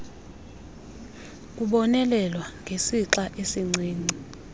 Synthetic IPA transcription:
k̬ʼuɓɔnɛlɛlwaŋɡʱesiǁaʔesiŋ͡ǀʱeːni

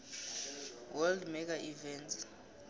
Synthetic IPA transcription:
wɛldmɛk̬aʔivɛnt

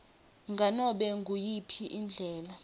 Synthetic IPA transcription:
ŋɡʱanɔɓɛŋɡʱujipʰiʔind͡ɮʱɛːla

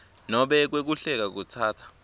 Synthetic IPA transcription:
nɔɓɛk̬wek̬uɬɛk̬ak̬utʰaːtʰḁ

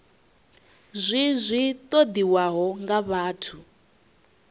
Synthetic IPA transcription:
zʷizʷit̪ʼod̪iwaɦɔŋɡaβaːtʰu

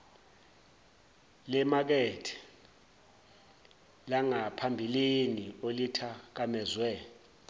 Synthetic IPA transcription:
lɛmak̬ɛtʰɛ̥ | laŋapʰambʱiliniolitʰak̬amɛzwɛ

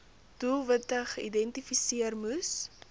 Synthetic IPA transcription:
duvətəχəidɛntifisiərmus

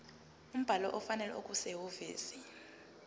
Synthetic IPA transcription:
um̩b̥ʱalɔʔɔfanɛlɛ̰okʼusewoviːsi

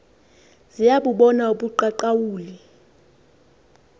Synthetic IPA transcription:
zijaɓuɓɔnauɓuǃaǃawuːli

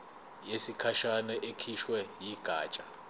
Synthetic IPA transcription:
jesikʰaʃanɛʔekʰiʃwɛjiɡ̥ʱaːt͡ʃʼa

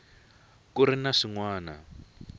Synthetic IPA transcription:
kuɾinaʂiŋwaːna̰

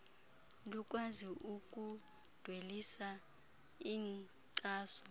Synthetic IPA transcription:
luk̬ʼwaziʔuk̬ʼu | d̥ʱwelisa | iːŋ | ǀʼaːsɔ̥

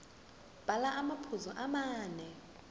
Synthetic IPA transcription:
b̥ʱalaʔamapʰuzɔʔamaːnɛ

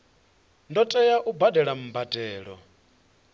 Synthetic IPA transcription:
ndɔtʼɛjaʔubadɛɺam̩badɛːɺɔ̰

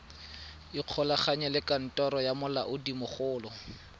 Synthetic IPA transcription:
iq͡χʰɔlaχaɲɛlɪkʼan̩tʼɔɾɔjamʊla̰ʔʊdimʊχʊːlɔ

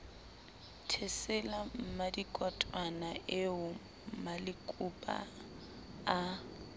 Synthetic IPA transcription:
tʰɛsɛlam̩madikʼɔtʼwanaʔeʊ | m̩malɪkʼupʼa̰ | a

